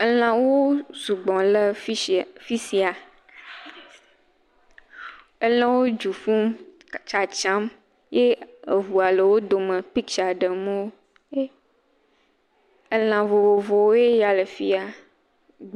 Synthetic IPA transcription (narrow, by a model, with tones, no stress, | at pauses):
ə˦l̃ã˨wo˦zu˨ɡ͡bɔ̃˨lə˦fi˦si˨a˨ | ə˦lə̃˦wo˦d͡ʒu˨fũ˦m | t͡ʃa˨t͡ʃã˦m | je˦ə˨vu˨a˨lə˨wo˦d̪o˨mə̃˨pi˦kt͡ʃa˨ɖə˨mo˦w | e˦ | ə˦l̃ã˨vo˨vo˨vo˨wo˦je˦ja˨lə˨fi˦a˨